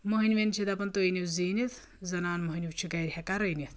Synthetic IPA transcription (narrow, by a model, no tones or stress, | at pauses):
moɦinʲʋʲent͡ʃʰid̪ɐpɐnt̪oiniwziːnit̪ʰ | zɐnaːnmoɦiniwt͡ʃʰikɐjɾʲhɐkaɾɐjnit̪ʰ